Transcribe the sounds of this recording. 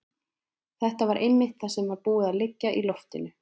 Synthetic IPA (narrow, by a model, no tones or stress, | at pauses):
θɛht̪avaɾʔejmːɪht̪θasɛmvaɾpuːɪðaðlɪcːaʔilɔft̪ɪnʏ